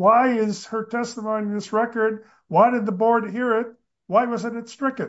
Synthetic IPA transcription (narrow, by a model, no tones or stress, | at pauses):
waɪɪz̥hə˞tʰɛstəmõʊ̃niðɪsɹɛkə˞d̚ | waɪɾɨd̪̚ðəbɔɹd̚ɦiɹɪt̚ | waɪwʌzɨ̃ɾɨtstɹ̥ɪkɨ̃